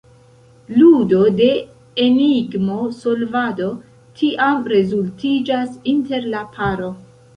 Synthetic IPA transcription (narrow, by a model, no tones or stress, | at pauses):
ludo̞de̞ | eniɡmo̞so̞lvado̞ | tʰiʔamɾe̞zultid͡ʒasinte̞ɾlapʰaɾo̞